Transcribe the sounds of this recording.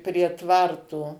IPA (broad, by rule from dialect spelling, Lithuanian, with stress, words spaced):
pʲrʲiɛ ˈtʋɐrtoː